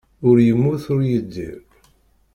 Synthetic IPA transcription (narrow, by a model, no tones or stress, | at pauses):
ʊɾjəmːʊθʊɾjəd̪ːḭɾ